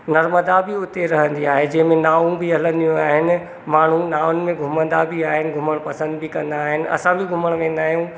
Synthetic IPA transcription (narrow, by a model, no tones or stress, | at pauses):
nɐɾməd̪abiʊt̪eɾɐɦə̃nd̪iaːɦed͡ʑɐ̃ɦɪ̃mẽnaːʋũbɪɦɐlə̃nd̪ijũaːɦɪnɪ̆ | maːɳ̤ũnaːʊnɪ̆mẽɡʱʊmə̃nd̪abʱiaːɦɪnɪ̆ɡʱʊməɽ̃pɐsə̃nd̪bɪkɐ̃nd̪aːɦɪnɪ̆ʔɐ̰sãbɪɡʱʊməɽ̃ʋẽːnd̪aːɦijũ